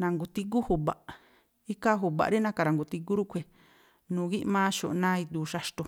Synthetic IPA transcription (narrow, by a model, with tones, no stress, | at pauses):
nã˨˧ŋɡu˨t̪i˧k̬u˦hu˨βa̰˨ʔ | i˦ka˦ɦu˨βa̰˨ɾi˦nã˧˦ka˨˧ɾa˨ŋɡu˨t̪i˧k̬u˦ɾu˦kʰʷe˧˨ | nũː˨ɣi˦ʔmãː˦ʃo˨ʔnã˦i˧d̪uː˨ʃa˧ʂt̪o˧